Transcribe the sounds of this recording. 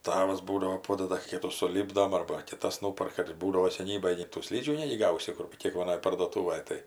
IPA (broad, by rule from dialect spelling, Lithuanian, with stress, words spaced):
ˈtɑːʋɐs ˈbuːdɐʋoː ˈpoːdɐdɐ ˈkʲiːtuː sʊˈlʲiːbdoːm ɐrbɐ kʲɪˈtɐs ˈnʊpɐrkɐ ɪr ˈbuːdɐʋoː sʲɛˈnʲiːbɐj nʲɛɪ tuː ˈsʲlʲiːd͡ʒʲuː ˈnʲæːɡʲɪ ˈɡɐʊsʲɪ ˈkʊr kʲeːkʋɐˈnoːj pɐrduɔˈtuːʋɐj ˈtɐɪ